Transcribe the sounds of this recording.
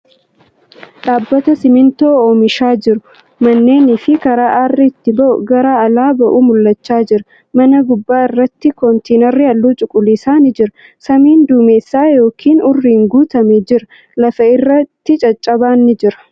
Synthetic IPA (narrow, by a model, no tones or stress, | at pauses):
ɗaːbːɐt̪ɐsɪmɪnt̪o̞ːoːmɪʃaːd͡ʒɪɾʊ | mɐnːe̞ːnɪfɪkɐɾaːʔɐrːɪːt̪ːɪbɐʔʊ̰ɡɐɾaːɐlaːbɐʔuːmʊlːɐt͡ʃːaːd͡ʒɪɾɐ | mɐnɐɡʊbːaːɪrːɐt̪ːɪkɔnt̪ʰeːnɐɾːɪɐlːuːt͡ʃʼʊkʼːʊliːsaːnɪd͡ʒɪɾɐ | sɐmiːnd̪uːmeːsːaːjo̞ːkʰiːnʊrːiːŋɡuːt̪ɐmed͡ʒɪɾɐ | lɐfɐɪrːɐt̪ːɪt͡ʃʼɐt͡ʃʼːɐbaːnːɪd͡ʒɪɾɐ̥